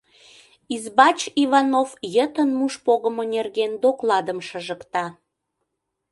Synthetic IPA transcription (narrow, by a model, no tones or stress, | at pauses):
izbɑt͡ɕivɑnofjət̪ənmuʃpoɣəmonerɣend̪oklɑd̪əmʃəʒəkt̪ɑ